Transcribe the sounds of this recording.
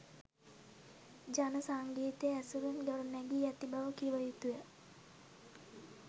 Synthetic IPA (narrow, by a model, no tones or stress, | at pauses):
d͡ʒanəsaŋɡiːt̪ejæsuɾunɡəɾunɛɡiːæt̪ibaʋəkiʋəjut̪ujə